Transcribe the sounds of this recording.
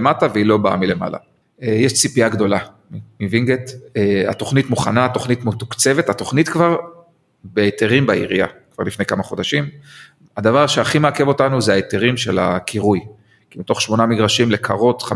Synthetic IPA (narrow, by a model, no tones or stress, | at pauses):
mataveilo̞baa̰mile̞ma̰la̰ | ejɛʃt͡sipiaɡd̪o̞la | mimiviŋɡeta̰t̪o̞χnitmuχanaːt̪o̞χnit̪mut̪ukt͡se̞vetato̞χnit̪kvaʁ | beːteʁimbaḭʁḭja̰kv̥a̰ʁlifne̞jkamaχo̞d̪aʃim | ad̪avaʁʃeaχimeakevo̞tanuzeaeteʁimʃela̰kʰiʁuj | kimito̞χʃmo̞namiɡʁaʃimle̞kʰaʁo̞t̪χa